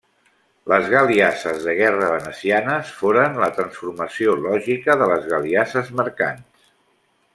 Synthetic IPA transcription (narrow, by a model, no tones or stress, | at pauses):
ləzɣəliasəzðəɣɛrəβənəsianəsfoɾənlət̪ɾənsfuɾməsiolɔʒikəðələzɣəliasəzməɾka̰ns